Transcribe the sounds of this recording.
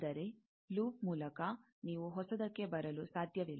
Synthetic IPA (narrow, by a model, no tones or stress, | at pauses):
ɐɾe̞ | luːp̚muːlɐkɐ | niːʋuɦɔsɐd̪ɐkːe̞bɐɾɐlusaːd̪ʱjɐʋilː